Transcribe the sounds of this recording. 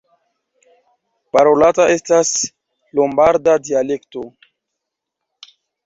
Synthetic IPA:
paɾolataʔe̞stas | lombaɾdadiale̞kto

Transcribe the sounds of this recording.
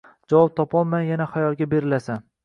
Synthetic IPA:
d͡ʒavɒp̚t̪ʰɒpʰɒlˠmanjanaχajɒlˠɡʲabe̞ɾɪlasan

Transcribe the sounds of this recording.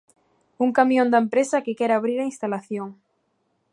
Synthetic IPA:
uŋkamjõnd̪aempɾesakekɛɾaβ̞ɾiɾainst̪alaθjoŋ

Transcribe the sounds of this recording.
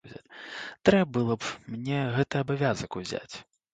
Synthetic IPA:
zʲa̰t͡sʲt̪ɾɛbɨlˠɐpmnʲɛɣɛt̪ɨɐbavʲazɐkuzʲa̰t͡sʲ

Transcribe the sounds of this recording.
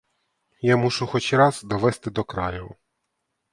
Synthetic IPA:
jamuʃʊxɔt͡ʃʲɾɑzd̪ɔʋɛst̪ɪd̪ɔkɾɑ̰jʊ

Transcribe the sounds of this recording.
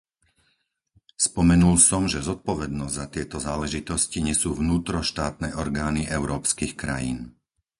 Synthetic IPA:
spɔmɛnulsɔmʒɛzɔt̪̚pɔʋɛd̪nɔzzat̪ɪɛt̪ɔzaːlɛʒit̪ɔsciɲɛsuːʋnuːt̪ɾɔʃt̪aːt̪nɛʔɔɾɡaːniʔɛʊɾɔːpskiːxkɾa̰jḭːn

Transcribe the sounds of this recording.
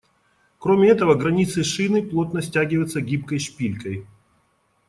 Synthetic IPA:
kɾomʲɪɛt̪əvəɡɾɐnʲit̪sɨʂɨnɨplˠo̞t̪nəsʲtʲæɡʲɪvəjɪt̪səɡʲip̚kəjʂpʲilʲkəj

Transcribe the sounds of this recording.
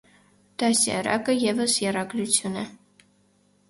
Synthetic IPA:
d̪̥ɑsjɑ̰ɾɑ̰kəjɛvəsjɛrɑɡɾut͡sʰjunɛ

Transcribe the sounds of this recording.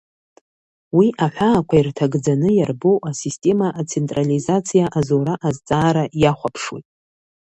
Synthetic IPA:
wiʔaħʷᶣaːkʷʰairtʰaɡd͡zanɨjarboʔasistʼe̞maʔːt͡sʰe̞ntʼralizat͡sʰijaʔazoɾaʔazt͡sʼaːɾajaχʷapʰʂwo̰jtʼ

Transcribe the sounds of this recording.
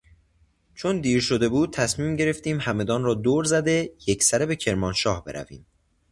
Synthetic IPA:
t͡ʃʰo̞nd̪iːɾʃo̞d̪e̞buːd̪̚t̪ʰæsmiːmɟe̞ɾe̞ft̪iːmhæme̞d̪ɒːnrɒːd̪oːɾzæd̪e̞jecʰsæɾebe̞cʰeɾmɒːnʃɒːhbe̞ɾʔæ̰vḭːm

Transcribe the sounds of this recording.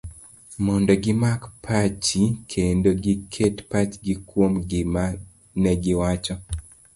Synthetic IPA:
mɔndɔɡɪmakpʰat͡ʃikʰendoɡikʰetpat͡ʃɡikwomɡɪma | nɛɡɪwat͡ʃɔ

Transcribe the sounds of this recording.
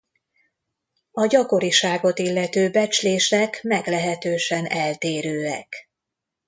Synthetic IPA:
ɒɟɒko̞ɾiʃaːɡo̞t̪ilːɛt̪øːbɛt͡ʃleːʃɛkmɛɡlɛɦɛt̪øːʃɛnɛlt̪eːɾøːɛ̰k

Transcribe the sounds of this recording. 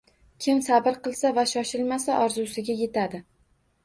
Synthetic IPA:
kʲʰɪmsabɪɾqɨlˠsavaʃɒʃɪlmasaʔɒɾzusɪɡʲaje̞t̪ʰad̪ɪ

